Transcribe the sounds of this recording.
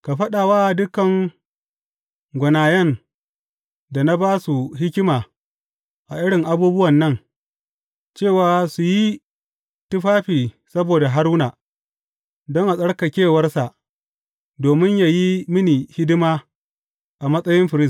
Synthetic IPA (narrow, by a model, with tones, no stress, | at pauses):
ka˨ɸɐ˦ɗaː˨waː˦˨dʊ˦kɐ˨ŋ | ɡʷʊ˨naː˨jɛ˦˨n | da˨na˦baː˦su˨ɦɪ˦kʲɪ˦maː˨ | ʔa˨ʔɪ˦ɽɪ˨ŋʔa˨˦buː˦bʊ˦wɐ˨nːɐ˦ŋ | t͡ʃeː˦˨waː˦su˨ji˦ | tʊ˦ɸaː˦ɸiː˨ | sɐ˦boː˨da˨ɦa˦ɾuː˦naː˨ | dɔ˦ŋʔa˨sʼɐ˦ɽka˨kʲeː˦˨wɐ˦rsa˨ʔ | doː˨mɪ˦ɲja˨ji˦mɪ˦niː˨hɪ˦dɪ˦maː˦ | ʔa˨mɐ˦sʼɐ˦jɪ˦mɸɪ˨ɾɪ˦